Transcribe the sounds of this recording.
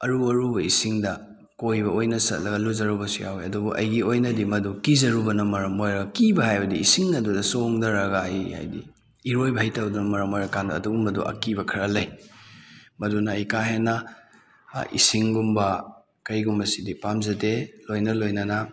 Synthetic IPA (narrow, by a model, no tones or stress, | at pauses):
ɐɾuɐɾubɐisiŋdɐ | kojbɐojnɐsɐ̰t̚lɐɡɐluzɐɾubɐsuja̰weɐdubuʔɐ̰jɡiojnɐdimɐdukizɐɾubɐnɐmɐɾɐmojɾɐkibɐhajbɐdiisiŋnɐdudɐsoŋdɐɾɐɡaːjha̰jdḭː | ɾojbɐhɐjtɐwdunɐmɐɾɐmojɾɐkanduɐ̰duɡumbɐdṵʔɐ̰kibɐkʰɾɐlɐj | mɐdunɐɐjkaɦenːɐ | ḭsiŋɡumbɐ | kɐɾiɡumbɐsidipamzɐtelojnɐlojnɐnɐ